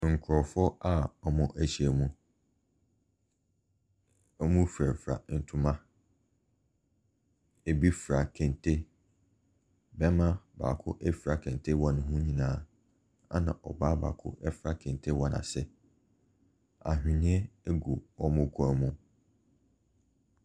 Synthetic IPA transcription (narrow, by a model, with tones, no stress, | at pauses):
ŋ̩˨kʰʊ˨ɾɔ˨fɔ˦a˦ɔ˨mʊ̃˨ʔæ˨ɕi˦˨æ˨mũ˨ | ɔ˦mũ˦fɾæ˨fɾa̰˨n̩˨tʰũ˨mã˦ | e˨bi˦fɾa˨kʰɛ̃˨ntʰe˦ | bɛ˦mã˦ba̰ː˨kʰʊ̰˦ʔɛ˦fɾa˨kʰɛ̃˨n˨tʰe˦wɔ̃˦nʊ̃˦ɦʊ̃˦ɲĩ˨nãː˨˦ | a̰˦nã˨ʔɔ̰˨baː˦ba̰˨kʰʊ̰˦ʔɛ˦fɾa˦kʰɛ̃˨ntʰe˦wɔ˦nã̰˨sɛ˦ | a̰˨ɦᶣĩ˨nĩ˦e˦e˦ɡu˨ɔ˦mʊ̃˦kʰu˦a˨mũ˦